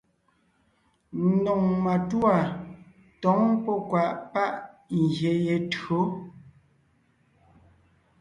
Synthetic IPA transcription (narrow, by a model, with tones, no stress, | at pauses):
n̩˦nɔ˨ŋma˨twa˨ | tɔ˨˦ŋpɔ˦kwa˨ʔpa˦ʔŋ̩˨ɡje˨je˨tɰo˨˦